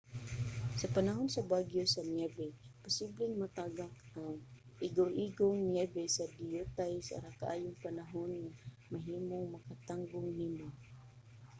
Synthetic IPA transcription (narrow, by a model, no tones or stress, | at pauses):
sɐpanaɦonsabaɡjosanjɛbɛpʊsiblɪŋmat̪aɡakaŋʔɪɡawʔiɡoŋnɛbɛsad̪ɪjut̪ajsaa̰ɾakaʔaːjʊŋpanaɦonŋa | maɦiːmoŋmakat̪aŋɡʊŋnimo